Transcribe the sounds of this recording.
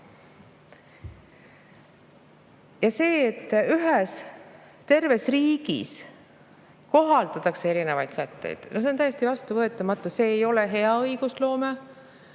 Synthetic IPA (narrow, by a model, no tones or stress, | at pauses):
jɑse̞ːet̪ːyɦɛs | t̪e̞rve̞sriːɡ̥ḭs | ko̞ɦɑlt̪ɑt̪ːˑɑksee̞ɾine̞vɑjt̪sæt̪ːḛjd̪̥nosent̪æjest̪ivɑst̪uvɤe̞t̪ːˑɑmɑt̪ːˑuse̞ːjo̞leɦe̞ɑɤjɡ̥uslo̞ːme